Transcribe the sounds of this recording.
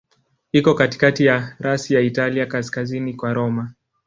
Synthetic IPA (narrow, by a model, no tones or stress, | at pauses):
ikɔkati̥katijaɾasijaitaliakaskazinikwaɾɔma